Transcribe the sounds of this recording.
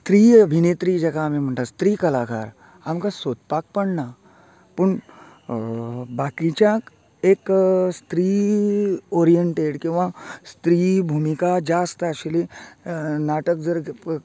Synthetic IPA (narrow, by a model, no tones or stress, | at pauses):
st̪ɾiəbʱinet̪ɾid͡ʒɛkamem̤əɳt̪ast̪ɾiːkəlakʰa̰ːɾ | amkasot̪̚pak̚pəɽna | pəɳ | bakit͡ɕjak | ekst̪ɾi | oɾijəɳʈeʈkĩw̃ʋãst̪ɾibʱumikad͡ʒast̪əəɕeli | naʈəkd͡zəɾ